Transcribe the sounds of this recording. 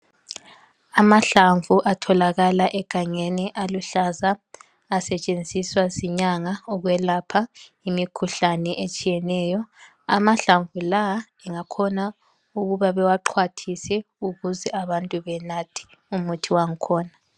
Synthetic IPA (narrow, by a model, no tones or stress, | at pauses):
amaɬaɱvuʔatʰɔlaɣalaʔɛɡ̥ʱaŋeniʔaluɬazaː | sɛt͡ʃʼend͡zʱiswasiɲaŋaɔɣwɛlapʰa | imikʰuɬanɛʔet͡ʃʼijɛnɛːjɔ | a̰maɬaɱvula | ɛŋakʰɔna | uɣuβaβɛwaǃʰwatʰisɛ | uɣuzɛaβantʼuβɛnatʰi̥ | umutʰiwaŋ̩kʰɔːna